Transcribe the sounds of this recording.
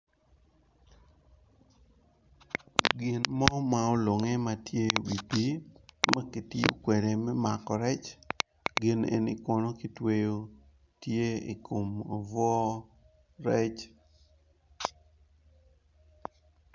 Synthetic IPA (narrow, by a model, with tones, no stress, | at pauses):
ɡɪ˨nmɔ˦ma˦o˦lo˨ŋɛ˦matje˦wi˨pi˦ma˦ki˨ti˦o̰˦kwe˨ɾe˨mɛ˦ma˨kɔ˨ɾɛ˦t͡ʃ | ɡɪ˦nḛ˨nḭ˦kɔ˦no˦ki˨twe˦jo˦˨ | tje˦i˨kʰo˨mo˨vɔ˦ | ɾɛ˦t͡ʃ